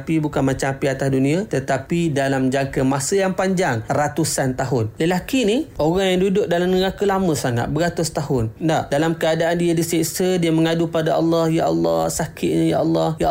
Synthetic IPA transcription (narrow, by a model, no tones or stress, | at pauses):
pibukanmat͡ʃaapiat̪asdunĩat̪ət̪apidalamd͡ʒaŋkəmasəjaŋpaɲd͡ʒaŋrat̪usant̪aɦʊnləlakiniʔoɣaŋjaŋdudʊk̚dalamnəɣakəlaməsaŋa̰t̪̚bəɾat̪ʊst̪aɦʊndaʔdalamkəadaʔandiədisɛksədiəməŋadupadaʔɑlːɑhjaʔɑ̰lːɑ̰hsakʰɪt̪ʔ̪̚ɲəjaʔɑlːɑhja